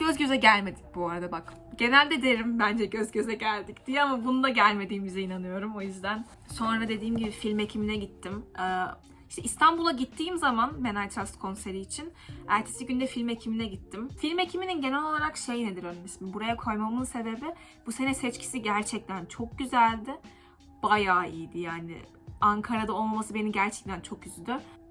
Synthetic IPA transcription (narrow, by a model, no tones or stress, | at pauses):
ɟ̥øzɟø̞zɛɟælʲme̞d̪ic̚buaɾad̪abak | ɟ̥e̞nælʲd̪ɛd̪e̞ɾimbænd͡ʒɛɟø̞zɟø̞zɛɟælʲd̪icd̪ijɛamabunund̪aɟælʲme̞d̪iːmizɛinanɯjo̞ɾumo̞jyzd̪æn | so̞nɾad̪e̞d̪iːmɟibifilʲme̞cʰiminɛɟit̪ʰːimɛː | iʃt̪ʰɛist̪ʰanbulˠaɟit̪ʰːiːmzamanmenajt̪ʰɾast̪kʰo̞nse̞ɾiːt͡ʃʰinæɾt̪ʰe̥siɟynd̪ɛfilʲme̞cʰiminɛɟit̪ʰːimfilʲme̞cʰimininɟenɛlʲo̞lˠaɾakʃe̞jned̪iɾønmisimbuɾajakʰo̞jmamɯnse̞be̞bɪ | b̥use̞nɛsɛt͡ʃcʰi̥siɟæɾt͡ʃʰɛc̚t̪ʰænt͡ʃʰo̞k̚ɟyzælʲd̪ɪ | b̥ajaːiːd̪ijaːnɪ̰ | aŋkʰaɾad̪ao̞lˠmamasɯbe̞nimɟæɾt͡ʃʰɛ̥c̚t̪ʰænt͡ʃʰo̞kjyzyd̪ɪ